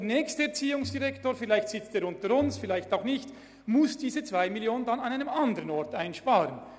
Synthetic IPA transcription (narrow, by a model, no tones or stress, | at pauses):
deɐnɛːçstəɛɐt͡siːʊŋsd̥iʁɛktoːɐfɪlaɪçtsɪt͡steːɐɾʊntəɾʊnsfɪlaɪçtaʊxnɪçt | mʊsd̥iːzət͡sv̥aɪmiljoːnəndanɑnaɪnəmɑndəʁənɔʁtaɪnʃpaːʁən